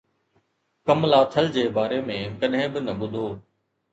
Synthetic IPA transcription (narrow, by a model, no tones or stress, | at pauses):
kəmlaːt̪ʰəld͡ʑeːbaːɾeːmẽːkɐɗɦɪ̃bɪnɐɓʊd̪ʱoː